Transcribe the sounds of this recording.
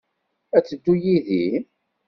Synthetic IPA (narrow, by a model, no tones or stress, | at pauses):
æt͡sːəd̪ːujiði